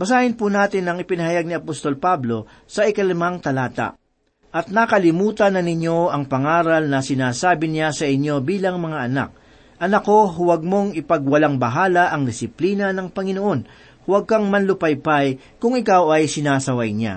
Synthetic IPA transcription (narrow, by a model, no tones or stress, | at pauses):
bɐsaːhɪnpunaːt̪ɪnɐŋɪpɪnɐhɐjaɡ̚nɪɐpost̪o̞lpablo̞ | sɐɪkɐlɪmaŋt̪ɐlaːt̪a̰ʔ | ʔɐt̪̚nakɐlɪmuːt̪ɐnːɐnɪɲo̞ʔɐŋpɐŋaːɾɐlnɐsɪnaːsaːbɪnasɐʔɪɲjo̞biːlɐŋmɐŋaʔɐna̰k̚ | ʔɐnɐko̞ɦʊwɐɡ̚mo̞ŋɪpɐɡ̚wɐlaŋbɐɦaːlɐʔɐŋd̪ɪsɪpliːnɐnɐŋpɐŋɪnoʔo̞n | hʊwɐɡ̚kɐŋmɐnlʊpɐjpaj | kʊŋɪkawɐjsɪnaːsɐwɐjɲa̰